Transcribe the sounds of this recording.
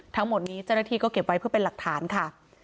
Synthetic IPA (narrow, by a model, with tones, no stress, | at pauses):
t̪ʰa˦˥ŋmo˨˩t̪̚niː˦˥t͡ɕa˥˩wna˥t̪ʰiː˧kɔː˥˩ke˨˩p̚wa˦˥jpʰɯ˥˩əpe˧la˨˩k̚t̪ʰaː˩˦nkʰa˥˩